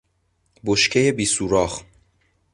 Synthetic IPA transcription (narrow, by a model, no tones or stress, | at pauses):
boʃcʰejebiːsuɾɒːχ